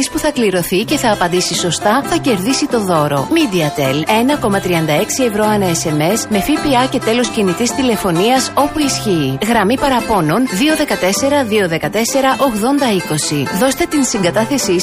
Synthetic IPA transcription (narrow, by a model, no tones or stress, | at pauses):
ispuθɐkliɾo̞θice̞θɐːpɐnd̪isiso̞st̪ɐθɐce̞ɾðisit̪o̞ðo̞ɾo̞mid̪iɐt̪ele̞nɐko̞mɐt̪ɾiɐnd̪ɐe̞ksie̞vɾo̞ɐnɐese̞me̞zme̞fipiɐce̞t̪e̞lo̞scinit̪ist̪ile̞fo̞niɐso̞puisçiːɣɾɐmipɐɾɐpo̞no̞nðio̞ðe̞kɐt̪e̞se̞ɾɐðio̞ðe̞kɐt̪e̞se̞ɾɐʔo̞ɣðo̞nd̪ɐiko̞siðo̞st̪e̞t̪insiŋɡɐt̪ɐθe̞si